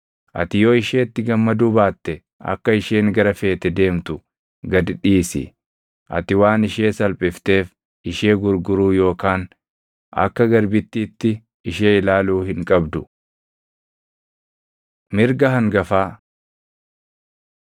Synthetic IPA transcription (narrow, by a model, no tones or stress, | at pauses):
ʔɐ̰t̪ɪjoːɪʃeːt̪ːɪɡɐmːɐd̪uːbaːt̪ːɛ | ʔɐ̰kːɐɪʃeːŋɡɐɾɐfe̞ːt̪ɛd̪e̞ːmt̪ʊ | ɡɐd̪ɪᶑiːsɪ̰ | ʔɐ̰t̪ɪwaːnɪʃeːsɐlpʼɪft̪e̞ːf | ɪʃe̞ːɡʊɾɡʊɾuːjo̞ːkaːn | ɐ̰kːɐɡɐɾbɪt̪ːiːt̪ːɪː | ʃeːɪlaːluːhɪŋkʼɐbd̪ʊ | mɪɾɡɐɦɐŋɡɐfaː